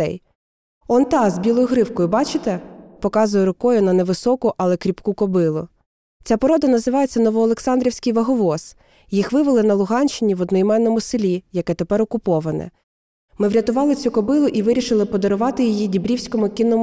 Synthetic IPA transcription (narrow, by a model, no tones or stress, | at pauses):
ɛ̰j | ɔnt̪ɑzbʲilˠɔjʊɦɾɪwkɔjʊbɑt͡ʃɪt̪ɛpɔkɑzʊjɛɾʊkɔjʊnɐnɛʋɪsɔkʊʔɐlˠɛkɾʲipkukɔbɪlˠʊ | t͡sʲapɔɾɔd̪ɐnɐzɪʋɑjet͡sʲːɐnɔʋɔːlˠe̞ksɑnd̪ɾʲiwsʲkɪjʋɐɦɔʋɔs | jixʋɪʋɪlˠɪnɐlˠʊɦɑnʲt͡ʃːɪnʲiʋɔd̪nɔjimɛnːɔmʊsɪlʲijɐkɛt̪epɛɾɔkʊpɔʋɐnɛ̰ | mɪʋɾʲɐt̪ʊʋɑlˠɪt͡sʲukɔbɪlˠʊʔiʋɪɾʲiʃɪlˠɪpɔd̪ɔɾʊʋɑt̪ɪjijidʲibɾʲiwsʲkɔmʊkʲinːɔm